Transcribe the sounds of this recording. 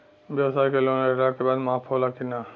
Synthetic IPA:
bjəbsajkeloneɾakebaːd̪maːpʰolakina

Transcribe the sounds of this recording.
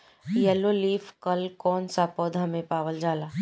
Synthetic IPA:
jɛloliːfʰkɐlkɔːnsapɔːd̪ɦɐmẽpaːʋəld͡ʒaːlaː

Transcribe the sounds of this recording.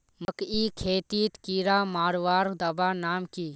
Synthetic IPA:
məkikʰeːt̪it̪kiɾamaːɾʋaːɾd̪əbanaːmkiː

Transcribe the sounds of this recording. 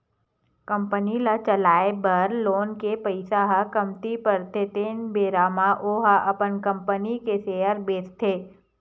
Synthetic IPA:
kə̃mpənilat͡ʃəlaːebɐɾloːnkepəɪsaɦakəmt̪ipəɾt̪ʰet̪eːnbeːɾaːmaʔoɦaʔɐpənkə̃mpənikeseːəɾbeːst̪ʰeː

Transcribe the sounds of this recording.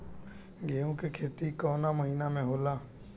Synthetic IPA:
ɡeːõkekʰeːt̪ikɔːnaməɦinamẽɦoːlaː

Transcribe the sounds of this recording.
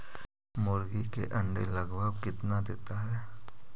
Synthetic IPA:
mʊɾɡikḛʔɐ̃ɳɖḛlɐɡbəbkɪt̪nad̪eːt̪aɦɛː

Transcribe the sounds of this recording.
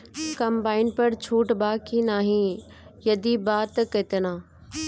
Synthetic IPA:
kɐmbaːɪnpɐɾt͡ɕʰuːʈbaːkinaːɦĩ | jɐd̪ibaːt̪ket̪ənãː

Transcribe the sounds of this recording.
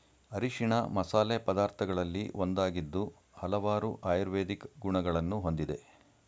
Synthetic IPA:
ɐɾiʂiɳɐmɐsaːlepɐd̪aːɾt̪ʰɐɡɐɭɐlːiʔond̪aːɡid̪ːu | hɐlɐʋaːɾuʔaːjɾʋeːd̪ikɡuɳɐɡɐɭɐnːuɦo̞nd̪id̪e̞

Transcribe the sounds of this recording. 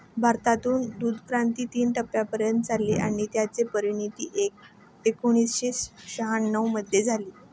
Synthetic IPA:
bʱaɾt̪at̪uːnd̪ud̪ʱkɾant̪iːt̪iːnʈəpːjapəɾjənt̪̚d͡zʱalːiʔaɽ̃it̪jat͡sepəɾiɳit̪ḭːʔek̚ | ekuɽ̃iːsɕesɕəɦaɳːəwməd̪ʱjed͡zʱaliː

